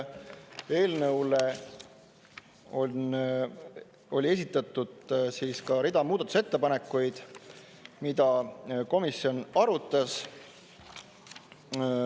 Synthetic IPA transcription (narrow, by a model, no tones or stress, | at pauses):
e̞ːlnɤwle | on | o̞lʲie̞s̬ʲit̪ːˑɑt̪ːˑud̪̥siːskɑɾid̪ɑmuːd̪ɑt̪u̥se̞t̪ːe̞pɑne̞kːˑujd̪̥ | mid̪̥ɑko̞misːio̞nɑɾut̪ːˑɑs